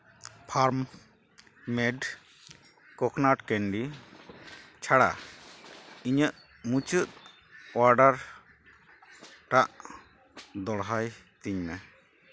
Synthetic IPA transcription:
pʰaɾm | mɛɖ | kɔknaʈkɛnɖi | t͡ʃʰaɽa̰ | iɲəʔ | mut͡ʃət̪̚ | waɾɖaɾ | ʈaʔ | d̪ɔɽɦaj | t̪iɲmɛ

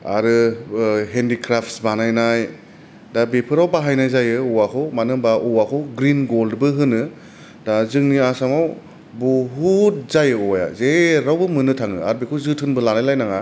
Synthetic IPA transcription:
a̰ɾɯ | ɦendikʰɾapʰtsbanajnaj | dabepʰɯɾawbaɦajnajzajɯɔwakʰɔwmanɯmbaʔɔwakʰɔɡɾinɡoldbɯɦɯnɯ | dazɯŋniasamaw | buɦut̚zajɯɔja̰zeɾawbɯmɯnɯtʰaŋɯ̰a̰ɾbekʰɯwzɯtʰɯnbɯlanajlajnaŋa

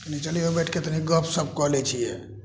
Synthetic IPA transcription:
kənit͡ʃəliobɛʈʰket̪əɦĩɡəpʰsəb̚kɔɦlɛt͡ʃʰijɛ

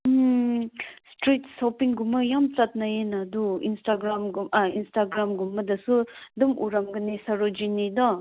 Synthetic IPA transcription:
stɾitsɔpiŋɡumɐjamt͡sat̚najenaduinstaɡɾamɡumainstaɡɾamɡumːɐdɐsudumʔuɾamɡɯnisaɾod͡ʒinidɔ

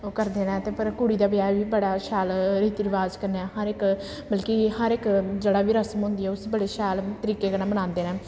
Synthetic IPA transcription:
oːkəɾd̪eːnɛ̃ːt̪eːpəɾkʊɽiːd̪aːbɪjaːʋiːbəɽaːʃaːlɾiːt̪ɪɾɪʋaːzkəɾnɛːɦəɾɪk | bəlkihəɾɪkd͡ʒeːɽaːʋiːɾəsəmɦʊ̃ːnd̪iɛːʊsbəɽeːʃaːlt̪əɾiːkeːkənãːmənãːnd̪eːnɛ̃ː

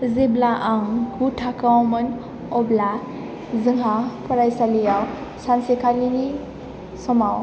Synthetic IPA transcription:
ziblaʔaŋɡutʰakawɔmɯn | ɔbla | zɯŋɦapɔɾajsalijaw | sansekʰalini | sɔmaw

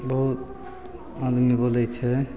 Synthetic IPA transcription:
bɔɦut̪ | ad̪mibolɛt͡ʃʰɛ

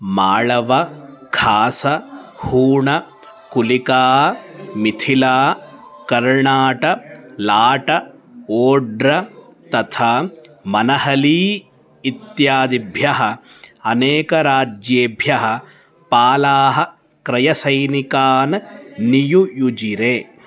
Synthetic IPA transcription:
maːɭɐʋɐkʰaːsɐhuːɳɐ | kulikaːmit̪ʰilaːkɐɾɳaːʈɐlaːʈɐ | oːɖɾɐt̪ɐt̪ʰaːmɐnɐɦɐliː | it̪jaːd̪ibʱjɐɦɐ̆ | ɐneːkɐɾaːd͡ʒjeːbʱjɐɦɐ̆ | paːlaːɦɐ̆ | kɾɐjɐsɐjnikaːnɐnijujud͡ʒiɾeː

